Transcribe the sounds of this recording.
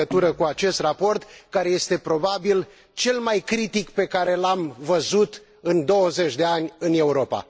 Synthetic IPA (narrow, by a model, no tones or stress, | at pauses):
ət̪uɾəkuat͡ʃe̞st̪rapo̞rt̪kaɾe̞je̞st̪e̞pɾo̞babil | t͡ʃe̞lmajkɾit̪ikpe̞kaɾe̞lamvəzut̪ | ɨnd̪o̞wəze̞t͡ʃʲd̪e̞anʲɨne̞uɾo̞pa̰